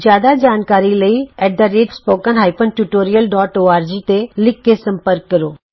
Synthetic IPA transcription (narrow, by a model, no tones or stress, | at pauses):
zjaːd̪ad͡ʒaːnkaːɾiləiɛːʈ̚d̪aɾeːʈspoːkənɦaːɪpʰənʈjuʈoːɾijəlɖɔːʈoːaːɾd͡ʒiːt̪elɪkːesɐ̃mpəɾkːɐɾoː